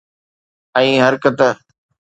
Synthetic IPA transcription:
ə̃ĩːɦəɾkət̪ə

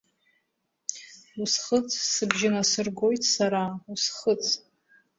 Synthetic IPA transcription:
usχət͡sʰʼsɨbʒɪnasɨrɡo̞jtʰʼsaɾausχət͡sʰʼ

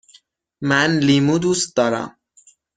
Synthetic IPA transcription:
mænliːmud̪ust̪̚d̪ɒːɾæ̰m

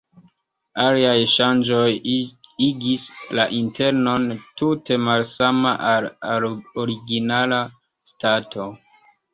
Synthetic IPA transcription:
aliajʃand͡ʒo̞jiɡislaʔintʰe̞ɾno̞ntute̞malsamaʔaloɾiɡinala | statʰo̞

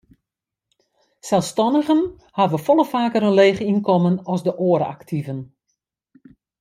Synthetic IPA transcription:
sɛlˠfstɔnəɣən | haʋəfɔlˠəfaːkəɾənleːχinkɔmənɔsdəʔoːəɾa̰ktʰivən

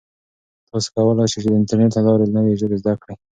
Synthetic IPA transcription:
t̪ɑse̥kawəlɑjʃit͡ʃed̪əɪntaɾneʈlalɑɾelnəweʒobezd̪akɽe

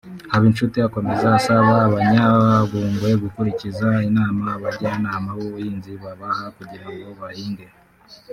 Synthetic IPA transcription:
haβinʃutiako̞me̞zaːsaβaːβaɲaaɡuːŋɡwe̞ɡukuɾicizainaːmaβaɾianaːmawoβujiːnziβaβahakuɟiɾaŋɡo̞βahiːŋɡe

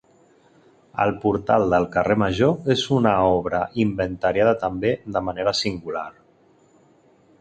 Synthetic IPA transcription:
ə̰lˠpuɾt̪alˠd̪əlˠkəreməʒoezunəɔβ̞ɾəʔimbənt̪əɾjað̞ət̪əmbeðəməneɾəsiŋɡulaɾ

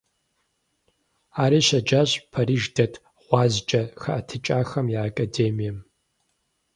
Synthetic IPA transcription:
aːɾiːɕɐd͡ʒaɕʼpʰɐɾiːʒdɐtʰʼ | ʁʷɑːzd͡ʒʼɐxɐʔɐtʰɨt͡ʃʼaːxɐmjaːkʼadeːmijɛm

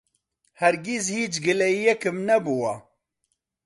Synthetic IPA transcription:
hɛɾɡizhiːt͡ʃɡɨlɛjijɛkɨmnɛbuwɑ

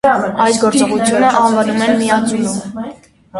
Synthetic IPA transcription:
ɑjsɡɔɾt͡sɔʁut͡sʰjunəʔɑnvɑnumɛnmiɑt͡s̪ʰujum

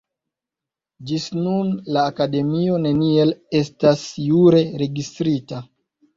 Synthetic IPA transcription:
d͡ʒisnunlaːkade̞mio̞ne̞nie̞le̞stasjuɾe̞ɾe̞ɡistɾita

